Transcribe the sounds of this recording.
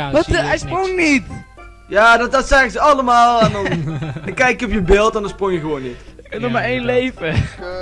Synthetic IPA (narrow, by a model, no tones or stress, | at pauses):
ʋɔtɛjsproŋnit | jaːdɔdɔtsɛɣəzəɑləmaːlˠɛndɔnnkɛjkɔpjəbeːlˠtɛ̃ndɔnsproŋjəɣəʋoːnːitkənɔχmaɹejnlejvə